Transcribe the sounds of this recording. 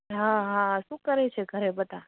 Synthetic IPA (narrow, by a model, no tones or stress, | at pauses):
ɦãɦãʃũkəɾet͡ʃʰeɡʱəɾebət̪a